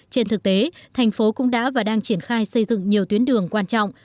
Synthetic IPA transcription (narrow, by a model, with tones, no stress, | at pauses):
t͡ɕe˧nt̪ɨ˨˩k̚t̪e˨˦t̪ʰjŋ̟fo˨˦kʊ̰˧˥ŋ͡mɗa̰ː˧˥vaː˨˩ɗaː˧ŋt͡ɕi˧˩ənxaː˧jsə˧jzɨ̰˧˨ŋɲi˨˩əwt̪wi˨˦ənɗɨ˨˩əŋkwaː˧nt͡ɕɔ̰˧˨wŋ͡m